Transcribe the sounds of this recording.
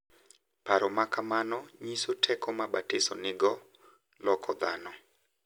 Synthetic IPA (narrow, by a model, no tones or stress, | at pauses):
paɾɔmakamanɔɲisotʰɛkʰɔmabatɪsɔ̰nɪɡɔ | lɔkʰɔd̪a̰nɔ